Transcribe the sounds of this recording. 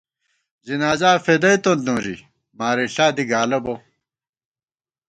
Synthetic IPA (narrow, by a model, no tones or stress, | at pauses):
zinaːzaːfed̪ɐit̪ond̪õːɾḭ | maːɾiɬaːd̪iɡaːlɐbo